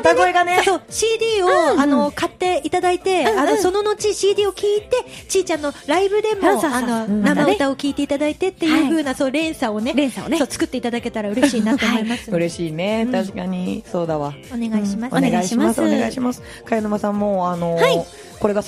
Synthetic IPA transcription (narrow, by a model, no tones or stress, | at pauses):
t̪aɡoeɡane̞soːɕiːd̪ʲiːo̞ano̞kat̪ːe̞it̪ad̪ait̪e̞ano̞so̞no̞no̞t͡ɕiɕiːd̪ʲiːo̞kʲiːt̪e̞t͡ɕiːt͡ɕãnːo̞ɾaibɯ̟d̪e̞moano̞nammaɯt̪ao̞kʲiːt̪e̞it̪ad̪ait̪e̞t̪ːe̞jɯ̟ːɸɯ̟ːnaso̞ːɾẽ̞ɰ̃sao̞ne̞ɾẽɰ̃saosoːt͡sɨ̥kɯ̟t̪ːeit̪ad̪ake̞t̪aɾaɯ̟ɾeɕiːnat̪o̞ːmoimasɨ̥ɯ̟ɾe̞ɕiːne̞t̪aɕi̥kaɲ̟iso̞ːd̪aβaoneɡaiɕimaoneɡaiɕimasoneɡa̰iɕimasɨ̥ | kajanomasãmːoːanohai | ko̞ɾe̞ɡa